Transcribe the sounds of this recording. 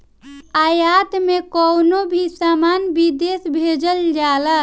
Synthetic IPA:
ajat̪mekɔwnobʱisamanbid̪esbʱed͡ʒəld͡ʒalə

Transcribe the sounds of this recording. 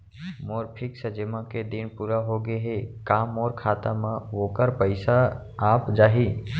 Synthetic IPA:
moːɾpʰɪksəd͡ʒɪmãked̪ɪnpuːɾaɦoɡeɦekaːmɔːɾkʰaːt̪amãʋoːkəɾpəɪsa | aːpd͡ʒaːɦiː

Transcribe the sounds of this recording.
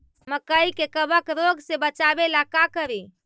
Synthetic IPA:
məkəikekəbəkɾoɡsebət͡ʃabelakakəɾe

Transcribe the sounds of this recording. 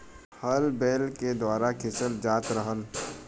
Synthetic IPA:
həlbeːlked̪waːɾakʰɪsəld͡ʒaːt̪ɾəɦəl

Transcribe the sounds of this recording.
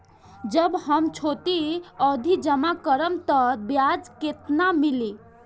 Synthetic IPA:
d͡ʒəbhəmt͡ʃʰot̪iɔd̪ʱid͡ʒəmakəɾəmt̪əbjad͡ʒket̪namili

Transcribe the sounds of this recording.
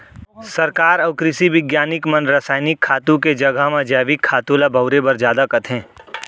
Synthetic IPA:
sɐɾkaːɾɐʊkɾɪsiʋɪɡjaːnɪkmɐnɾaːsaːɪnɪkʰːaːt̪ũked͡ʒɐɡʱaɦmãd͡ʒɛːʋɪkʰːaːt̪oːlabʱɐʊɾebɐɾzjaːd̪akɐt̪ʰɦɛ̃ː

